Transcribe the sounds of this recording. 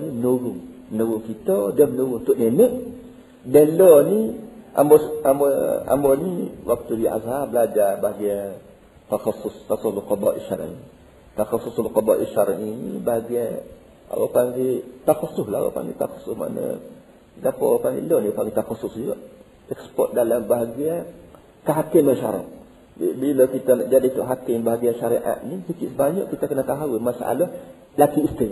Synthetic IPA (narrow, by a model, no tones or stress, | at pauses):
ninowuŋnowuŋkit̪ɔdəmnowunt̪uʔnenəʔ | deloniʔa̰mboamboa̰mboniwʔak̚t̪udia̰zhablad͡ʒabaɡiɛ | taxasust̪asuslokɔbaʔḭʃaɾa̰ni | t̪axasuslokɔbaʔiʃaɾaninibaɡɛ | a̰wa̰paŋɡit̪axasʊslaawa̰pa̰ŋɡḭt̪axḁsʊsma̰nə̰ | ɡapɔ̰paŋḭloniapaŋɡit̪axasʊsd͡ʒuɡaʔ | ɛkspɔ̰t̪̚dalambaɦaɡia | kəɦakɪmaʃa̰ɾɔ̰ʔ | bbilokit̪anaʔd͡ʒadit̪ʊʔɦakɪmbaɦaɡianʃaɾiʔa̰ʔ̪nisikiʔsəbaɲɔ̰ʔkit̪akənat̪aɦawimasa̰ʔa̰lah | lakiːst̪ɪ